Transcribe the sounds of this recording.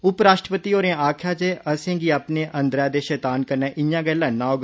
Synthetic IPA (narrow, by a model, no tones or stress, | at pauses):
ʊpɾaːʃʈɾəpət̪iːoːɾẽaːkʰjaːt͡ʃeːʔəsẽːɡiːapneːʔənd̪ɾaːd̪eːʃɛːt̪aːnkəɾnɛ̃ːʔɪjãːɡɛːlãːnãːoːɡ